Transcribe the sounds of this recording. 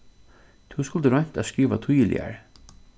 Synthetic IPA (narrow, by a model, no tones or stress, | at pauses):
t̪ʰuwskʊlt̪əɾɔɲ̥t̪æskiːʋat̪ʰʊjəlɪ̰a̰ɹ